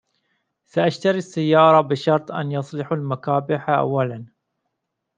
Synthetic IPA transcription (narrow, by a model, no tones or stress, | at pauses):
saʔaʃt̪aɾisːajːɑːɾˤɑbɪʃɑɾˤt̪ˤʔa̰njɑsˤlɪħalmakaːbɪħaʔa̰wːalan